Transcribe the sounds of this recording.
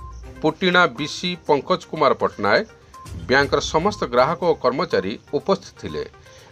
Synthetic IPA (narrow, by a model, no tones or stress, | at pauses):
puʈiɽ̃abisipɔŋkɔt͡ʃkumaɾɔpɔʈnae | bjaŋkɔɾɔsɔmɔst̪ɔɡɾaɦɔkɔːkɔɾmɔt͡ʃaɾiupɔst̪ʰit̪ɔt̪ʰilḛ